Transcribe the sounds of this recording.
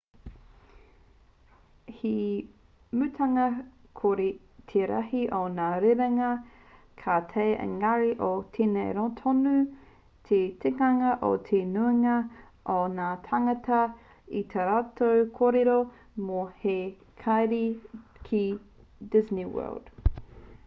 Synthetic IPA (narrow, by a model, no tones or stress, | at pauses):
hi | mʉt̪ʰɐŋɐ | kʰoɾi | tʰeɾɐ̰hiʔonaːɾeɾeŋɐ | kʰaːt̪ʰejʔə̰ŋɐɾiʔotʰenejɾot̪ʰonu | t̪ʰetekɐŋɐʔo̰t̪ʰenueŋɐ | ʔonaːtʰaŋɐtɐ | itʰɐɾaːtʰowkʰoɾeɾo | mohe | kʰajɾikʰidɪzniwɜ̰ːld̥